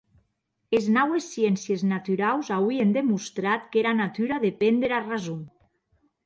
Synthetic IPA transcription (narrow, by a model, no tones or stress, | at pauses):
eznawesːjɛnsjeznat̪yɾawzauiend̪emust̪ɾat̪keɾanat̪yɾaðepend̪eɾarazum